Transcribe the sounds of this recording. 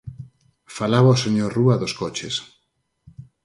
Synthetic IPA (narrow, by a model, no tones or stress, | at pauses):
falaβaoseɲoɾruaðoskɔt͡ʃes